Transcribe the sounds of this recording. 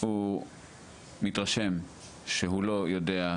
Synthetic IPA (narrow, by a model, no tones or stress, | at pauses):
hu | mit̪ʁaʃe̞m | ʃeɦulo̞jode̞a